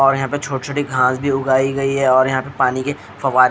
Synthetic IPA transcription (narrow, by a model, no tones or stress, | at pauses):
ɔːɾjɐɦãːpet͡ʃʰoːʈt͡ʃʰoːʈiɡʱãːsbʱiʊɡaːiɡɐiɦɛɔːɾjɐɦãpepaːnike | fɐʋaːɾ